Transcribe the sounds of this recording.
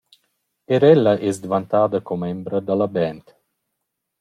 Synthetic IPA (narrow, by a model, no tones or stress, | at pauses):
eɾɛlːaʔɛsd̪vant̪aːd̪əkɔmɛmbɾəd̪alabɛnt̪